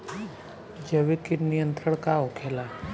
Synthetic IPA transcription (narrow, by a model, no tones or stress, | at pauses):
d͡ʒəʋikinijənt̪ɾəɳ̃kaokʰela